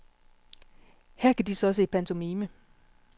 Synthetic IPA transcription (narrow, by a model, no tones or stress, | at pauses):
hæɐ̰kʰæd̥isɒ̽ɒ̽səipʰænt͡sʰo̝miːmə